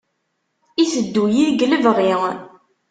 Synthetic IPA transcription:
isəd̪ːujiðɡləvʁiʁ

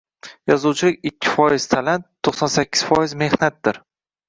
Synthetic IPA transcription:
jɒzuwt͡ʃʰɪlɪkʲɪkʲʰːɪ̥fɒjɪz̥t̪ʰalant̪ʰːoχsɒnsakʲʰːɪ̥z̥fɒjɪzme̞hnat̪̚d̪ɪɾ

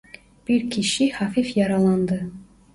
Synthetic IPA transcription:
b̥iɾkʰiʃihafifjɑɾɑlˠɑnd̪ɤ

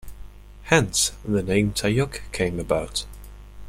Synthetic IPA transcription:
hɛ̃nsðɨnẽɪ̃mtʰaɪjʌkkʰẽɪ̃məbaʊt

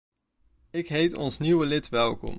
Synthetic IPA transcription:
ɪkɦejtɔ̰nsniwəlɪtʋɛlˠkɔ̰m

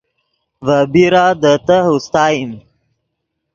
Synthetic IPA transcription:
vəbiɾaːd̪ət̪əɦust̪aːim

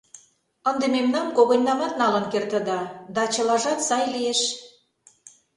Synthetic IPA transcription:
ənd̪ememnɑmkoɣonʲːɑmɑt̪̚nɑlə̆nkert̪ə̆d̪ɑd̪ɑt͡ɕə̆lɑʒɑt̪sɑjlijeʃ

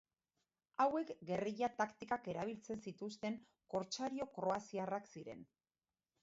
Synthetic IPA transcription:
awe̞kɡe̞riʎat̪akt̪ikake̞ɾaβ̞ilt͡se̞nsit̪ust̪e̞ŋ | ko̞ɾt͡ʃaɾio̞kɾo̞asiaraksiɾe̞̰n

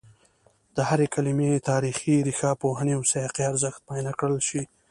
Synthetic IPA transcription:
d̪̥əhaɾekalimet̪ɑɾixiɾixɑpoɦanewseqiaɾzəxt̪̚pɑjnakɽəlʃi

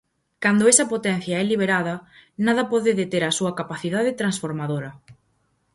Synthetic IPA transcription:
kand̪oesɐpot̪ɛn̟θjaɛliβ̞eɾaðɐnað̞ɐpɔðɪðet̪eɾɐsuɐkapaθiðaðɪt̪ɾansfoɾmaðoɾɐ

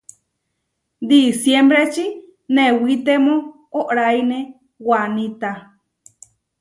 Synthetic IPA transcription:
d̪isjembɾet͡ʃi | newit̪emõ | oʔɾajne | wanit̪a

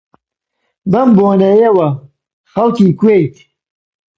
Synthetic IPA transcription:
bɐmboːnɐjewɐ | xɐlkiːkweːjt̪

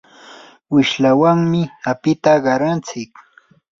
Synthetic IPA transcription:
wɪʃlawaŋmɪapɪt̪aɢɑɾant͡sɪk

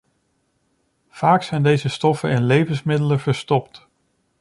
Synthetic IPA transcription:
v̥aːksɛjndejzəstɔfənɪnlejvənsmɪdələvəɹstɔpt

